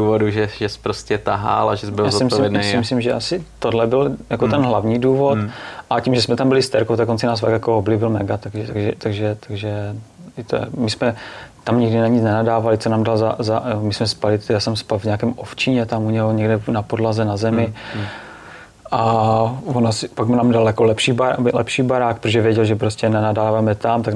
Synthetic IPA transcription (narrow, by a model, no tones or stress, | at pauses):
uːvoduʒɛʒɛspɾoscɛt̪aɦa̰ːlaʒɛsbɪlaːzotɪmvjɛdnjeasɪmmɪslimʒɛʔasɪt̪odlɛbɪljakot̪ɛnɦlavɲiːduːvot̪ʔacimʒɛsmɛt̪ambɪlɪst̪ɛɾkowt̪ɛkont͡sɪnaːsfakjakooblibɪlmɛɡat̪aɡʒɛt̪aɡʒɛt̪aɡʒɛt̪aɡʒɛɪt̪o̰ɛ̰mɪsmɛt̪amɲɪɡdɪnaɲit͡snɛnadaːvalɪt͡sonaːmdalzazamɪsmɛspalɪt̪jaːsɛmspalvɲakɛːmʔoft͡ʃiɲɛt̪amuɲɛɦoɲɛɡdɛnapodlazɛnazɛmɪ | ʔavonaspaɡnaːmdaljakolɛpʃiːbalɛ̰pʃiːbaɾaːk̚pɾoʒɛvjɛɟɛlʒɛpɾoscɛnɛnadaːvaːmɛt̪amt̪aɡ